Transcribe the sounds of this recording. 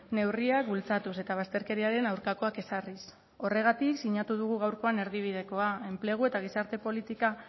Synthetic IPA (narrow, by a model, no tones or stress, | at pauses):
ne̞wriak̚bult͡sat̪use̞t̪aβ̞ast̪e̞ɾke̞ɾiaɾe̞nawɾkako̞ake̞saris | o̞re̞ɣ̞at̪iksiɲat̪uð̞uɣuɣ̞awɾko̞ane̞ɾðiβ̞ið̞e̞ko̞ae̞mple̞ɣ̞ue̞t̪aɣ̞isaɾt̪e̞po̞lit̪ika